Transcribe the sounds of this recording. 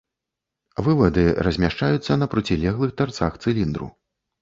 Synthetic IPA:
vɨvɐd̪ɨrɐzʲmʲaʂt͡ʂajut̪sːɐnɐpɾut͡sʲilʲɛɣlˠɨxt̪vart̪saxt̪sɨlʲind̪ɾṵ

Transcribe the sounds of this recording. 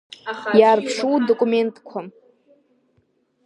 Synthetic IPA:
jaːrpʰʂuwdokʼume̞ntʼkʷʰa

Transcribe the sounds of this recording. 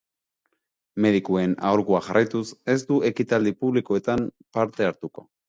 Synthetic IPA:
me̞ð̞ikue̞na̰oɾkuaʝarajt̪use̞zt̪ue̞kit̪ald̪ipuβlikoe̞t̪ampaɾt̪e̞aɾt̪uko̞̰

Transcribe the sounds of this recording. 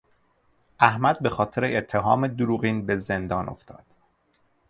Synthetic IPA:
ʔæhmæd̪̚be̞xɒːt̪ʰe̞ɾeʔet̪ʰːe̞ɦɒːmed̪uɾuːɣiːnbe̞ze̞nd̪ɒːnʔo̞̰ft̪ʰɒ̰ːd̪̥

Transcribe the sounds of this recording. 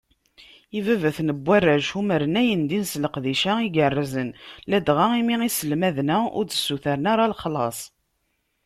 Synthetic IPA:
ivævæθnəbʷːærːæʒhuməɾənæjənd̪insləqðiʃæiɡərˤːəzənlæd̪ʁaimiʁisəlmæðnæʊ̰ɾt͡sə̥sːuθæɾənaɾˤalχlɑ̰sˤ

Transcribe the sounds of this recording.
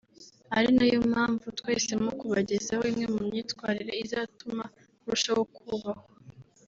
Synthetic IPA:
aɾinajom̥haːɱvutwe̞ːse̞mokuβaɟezahoimŋe̞mumɲiːtkwaːɾiɾeizaːtuma | uɾuʃawokuβaho

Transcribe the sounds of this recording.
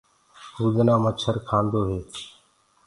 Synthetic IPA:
huːd͡ʒnãːmət͡ʃʰəɾkʰãːnd̪oːɦeː

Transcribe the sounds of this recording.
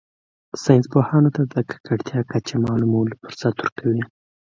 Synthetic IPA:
sɑjnspohɑnot̪ad̪əkʰḁkaɽt̪ʰjɑkat͡ʃemɑːlumolpəɾsat̪uɾkʰawi

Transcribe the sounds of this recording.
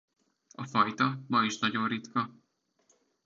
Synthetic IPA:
ɒfɒjt̪ɒmɒiʃnɒɟo̞nrit̪kɒ

